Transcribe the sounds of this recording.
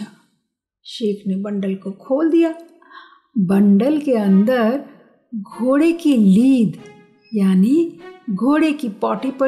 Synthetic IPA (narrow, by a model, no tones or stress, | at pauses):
a | ʃeːkʰnebɐ̃ɳɖəlkokʰoːld̪ijaː | bɐ̃ɳɖəlkeɐ̃nd̪əɾ | ɡʱoːɽekiliːd̪ | jaːniɡʱoːɽekipɔːʈipɐ